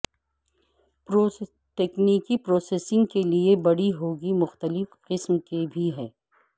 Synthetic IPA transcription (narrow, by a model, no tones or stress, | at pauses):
pɾo | ʈeːkniːkipɾoːseːsɪ̃ŋɡkeliebɐɽiɦoːɡimʊxt̪əlɪfqɪsmkebʱiɦɛː